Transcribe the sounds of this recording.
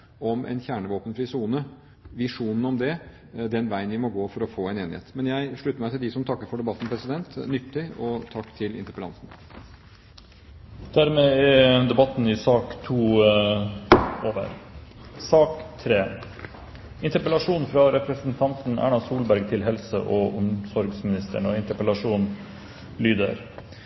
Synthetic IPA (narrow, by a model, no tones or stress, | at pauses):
ɔmʔɛ̰nçæːɳəʋoːpənflɪsuːnə | ʋɪʂuːnən̩ɔmd̪ɛ | d̪ɛnʋæɪənʋɪmɔɡoːfɔɾɔfoːɛneːnɪ̰ḛːt̪mɛnjæɪʂɭʉt̪ːəɾmæɪt̪ɪld̪ɪsɔmt̪ʰɑkːəɾfɔɖɛbɑt̪ːn̩pʰɾɛsɪd̪ɛnt̪nʏt̪ːɪɔt̪ʰɑkːt̪ʰɪlɪ̰nt̪əɾpəlɑ̰nsn̩ | d̪̥æɾmeːɛd̪ɛbɑt̪nɪsɑːkt̪ʰuː | oːʋə̰ɾsɑːkt̪ʰɾeː | ɪnt̪əɾpəlɑʂuːnfɾɑɾɛpɾəsnt̪ʰɑnt̪n̩æ̰ɳɑsuːlbæɾɡt̪ʰɪlɦɛlsə̰ʔɔʔʊmsɔɾɡsmɪnɪst̪ʰə̰ɳɔɪnt̪əpəlɑʂuːn | lyːd̪ə̰ɾ